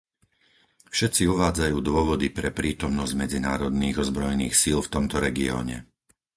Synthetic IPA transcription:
fʃɛt̪t͡siuʋaːd͡zajuːd̪ʊɔʋɔd̪ipɾɛpɾiːt̪ɔmnɔzɟmɛd͡zinaːɾɔd̪niːɣɔzbɾɔjɛnḭːxsilft̪ɔmt̪ɔɾɛɡiɔ̰ːɲɛ̰

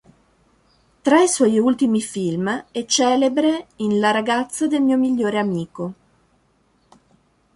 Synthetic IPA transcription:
t̪ɾaiswɔjult̪imifilmɛt͡ʃːɛːlebɾeinlaɾaɡat̪sːad̪elmiːomiʎːoːɾeamiːko

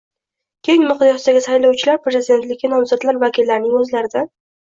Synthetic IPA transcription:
kʲʰejɪŋmʊqd̪jɑst̪aɡʲɪsajlawt͡ʃʰɪlaɾpɾezɪd̪e̞nt̪lɪkʲʰːɪnɒmzɒt̪laɾvakʲɪlːaɾɪnɪŋɵzlaɾɪd̪a

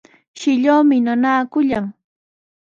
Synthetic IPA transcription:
ʃɪʎoːmɪnanaːkʊʎaŋ

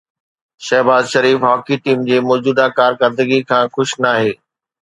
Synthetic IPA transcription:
ʃɐɦbaːzʃɐɾiːfɦaːkiʈiːmd͡ʑeːmɔːd͡ʑuːd̪akaːɾkəɾd̪əɡikʰãːxʊʃnaːɦeː

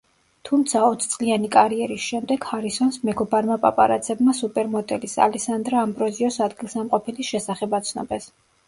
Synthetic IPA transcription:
t̪ʰumt̪sʰaɔt̪ʰt̪sʼlianikʼaɾiɛɾisʃɛmd̪ɛɡ̥haɾisɔnsmɛkʰɔbaɾmapʼa̰pʼa̰ɾat̪sʰɛbmasupʼɛɾmɔd̪ɛlisa̰lɛsand̪ɾaːmbɾɔziɔsad̪ɡilˠsamqʼɔpʰɛliʃɛsaχɛbat̪sʰnɔ̰bɛs

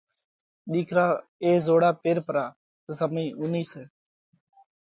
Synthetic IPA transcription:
ɗiːkʰɾaː | eːzoːɽaːpeːɾpəɾaː | t̪əzəmĩːʔʊniːseː

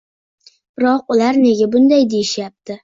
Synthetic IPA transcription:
b̥ɪɾɒqʊlaɾne̞ɡʲabʊnd̪ajd̪e̞jɪʃjap̚t̪ʰɪ

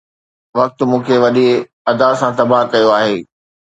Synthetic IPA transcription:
ʋɐk̚t̪mũːkʰeʋɐɗi | ɐd̪aːsãt̪ɐbaːɦkɐjoaːɦeː

